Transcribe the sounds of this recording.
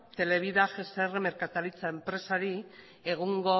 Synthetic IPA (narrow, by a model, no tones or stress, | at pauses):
t̪e̞le̞β̞iðaʝesereme̞ɾkat̪alit͡sae̞mpɾe̞saɾi | e̞ɣ̞uŋɡo̞